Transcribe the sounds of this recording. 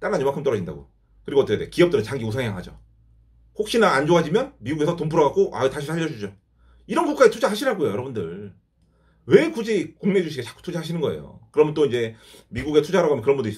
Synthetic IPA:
t͈aɾaɲomaŋkʰɯmt͈ʌʌd͡ʑinda̰ɡo̰ | kɯɾiɡoʌt͈ʌkʰeekiʌp̚t͈ɯɾɯnt͡ɕaŋɡiosʰaŋejaŋɦad͡ʑo̰ | hok̚ɕ͈inaːnd͡ʑoad͡ʑimjʌnmiɡuɡe̞sʰʌtompʰɯɾʌɡak͈oʔa̰itaɕʰit͡ɕʰad͡ʑʌd͡ʑud͡ʑo | iɾʌnɡuk͈aetʰud͡ʑahaɕʰiɾaɡojojʌɾʌbundɯɭ | we̞kud͡ʑikuŋmed͡ʑuɕʰiɡet͡ɕḁk͈u̥tʰud͡ʑaɦaɕʰinɯnɡʌḛjo̰kɯɾʌmjʌnt͈oind͡ʑe̞miɡuɡe̞tʰud͡ʑaɦɾaɡoamjkɯɾʌnbundois͈

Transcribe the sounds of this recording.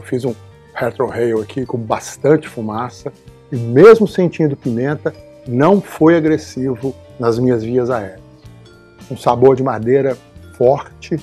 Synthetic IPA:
wfizũ | hɛɾt̪ɾohejakʰikõbast̪ɐ̃nt͡ʃɪ̥fumasɐ | ɪmezmʊsẽnt͡ʃĩd̪ʊpimẽnt̪ɐ | nɐ̃w̃fojaɡɾesivʊnɐzmĩɲɐzviɐzaɛɾɐs | ũsaboɾd͡ʒɪmad̪ejɾɐfɔɾt͡ʃɪ

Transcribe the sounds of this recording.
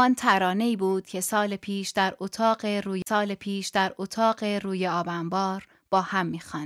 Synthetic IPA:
ɒːnt̪ʰæɾɒːne̞iːbuːd̪̥̚cʰe̞sɒːlepʰiːʃd̪æɾot̪ʰɒːɢeɾuːjsɒːlepʰiːʃd̪æɾot̪ʰɒːɢe̞ɾuːje̞ɒːbæmbɒːɾ | b̥ɒːhæmːiːxɒːn

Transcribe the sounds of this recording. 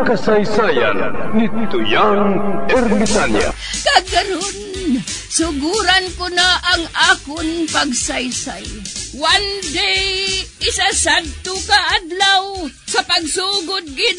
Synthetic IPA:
kasajsaːja̰nnɪt̪ʊjaŋɛɾmɪt̪anja̰ | kakaɾon | sʊɡuɾankʊnaʔaŋaːkʊnpaɡsajsajwand̪ɪ | ɪsasad̪̚t̪ʊkaʔad̪lawsɐpaɡsuɡʊt̪̚ɡɪd̪̚

